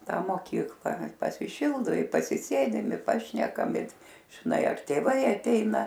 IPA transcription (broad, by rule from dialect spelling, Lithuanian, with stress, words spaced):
ˈtɑː moːˈkʲiːklˠɐ pɐsʲɪˈʃʲɪlˠdʊ ɪ pɐsʲɪˈsʲeːdʲɪm ɪ ˈpɑːʃʲnʲɛkɐm ɪ ʒʲɪˈnɐɪ ɐr tʲeːˈʋɐɪ ɐˈtʲɛɪnɐ